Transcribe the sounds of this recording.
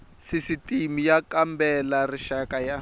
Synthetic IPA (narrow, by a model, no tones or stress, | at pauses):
sisitʼimijakambɛlariʃakʼaja